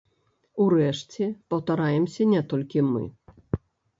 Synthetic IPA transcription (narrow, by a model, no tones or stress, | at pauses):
urɛʂt͡sʲɛpɐwt̪aɾajɛmsʲɐnʲɛt̪ɔlʲkʲimɨ̰